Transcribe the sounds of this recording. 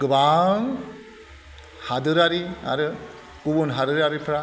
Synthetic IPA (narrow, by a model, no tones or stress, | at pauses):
ɡ̥ɯbaŋ | hadɯɾaɾia̰ɾɯ | ɡ̥ubunɦadɯɾaɾipʰɾa